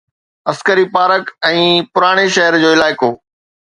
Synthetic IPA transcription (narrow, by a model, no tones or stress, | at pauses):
ɐskəɾipaːɾəkɛ̃ːpʊɾaːɽ̃eʃɐɦəɾd͡ʑoːɪlaːɪkoː